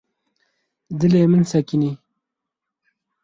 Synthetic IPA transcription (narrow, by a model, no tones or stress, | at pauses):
d̪ɨleːmənsɐkini